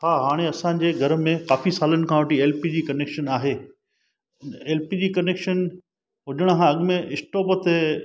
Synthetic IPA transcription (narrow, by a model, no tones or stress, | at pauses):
ɦaːɦaːɽ̃eɐsãːɲ̆d͡ʑeːɡʱɐɾə̆mẽkaːfisaːlənɪ̆kʰãːʋɐʈieːlpid͡ʑiːkɐneːkʃənaːɦeː | eːlpid͡ʑiːkɐneːkʃən | ɦʊʄəɽ̃kʰãɐɠmẽʔɪsʈoːpət̪e